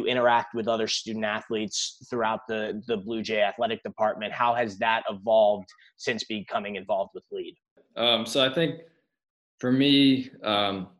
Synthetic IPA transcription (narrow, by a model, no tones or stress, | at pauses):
ɨʔɪ̃ɾ̃ə˞æk̚t̚wɨðʌðə˞stʉdⁿn̩tæθlitsθɹuaʊt̪̚ðɨðɨblʉd͡ʒeɪɨθlɛɾɨk̚d̥ɨpʰɑɹt̚mɨ̃nʔ̚haʊɨzðəɾʔɪvɑlˠvd̥ | sɪ̃nsb̥ikʰʌmɪ̃ŋɨ̃ɱvɑlˠvd̚wəðlid̥̚ | ʔʌ̃msoʊaɪθɪ̃ŋk | fə˞miʌ̃m